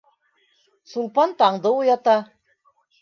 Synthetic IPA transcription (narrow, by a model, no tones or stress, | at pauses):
sulˠpɑnt̪ɑɴd̪ɤujɑt̪ɑ